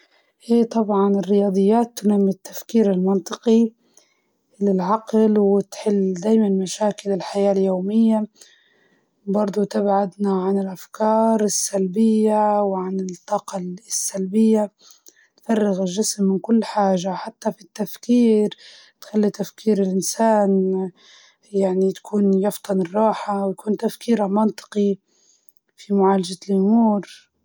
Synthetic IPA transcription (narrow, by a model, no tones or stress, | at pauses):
ʔeːt̪ˤɑbʕɑnɪrːɪjɑːd̪ˤɨjːaːt̪ːʊnamːɪt̪ːḁfkiːɾɪlmɑnt̪ˤɨqi | lɪlʕɑqlwɪt̪ħɪlːd̪aːjmanmaʃaːkɪlɪlħajaːljoːmɪjːa | bɑɾˤd̪ˤut̪abʕad̪naʕanɪlʔafkʰɑːɾˤɪsːalbɪjːawʕanɪt̪ˤːɑːqɑsːalbɪjːa | nfɑrˤːɪɣɪlʒːɪsmːɪnkʊlːħaːʒaħat̪ːafit̪ːafkiːɾ | t̪xalːit̪afkiːɾɪlʔɪnsaːn | jaʕnit̪ḁkʰuːnjɑft̪ˤɑnɪrˤːɑːħawjakuːnt̪afkiːɾalmɑnt̪ˤɨ̥qi | fimʊʕaːlad͡ʒalʔʊmuːɾ